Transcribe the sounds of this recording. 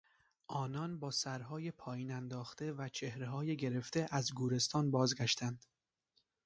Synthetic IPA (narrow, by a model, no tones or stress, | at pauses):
ʔɒːnɒnbɒːsæɾɦɒːjepʰɒːjiːnænd̪ɒːxt̪e̞væt͡ʃʰe̞hɾe̞ɦɒːjeɟe̞ɾe̞ft̪e̞ʔæzɡuːɾe̞st̪ɒːnbɒːzɡæʃt̪ʰænd̪̥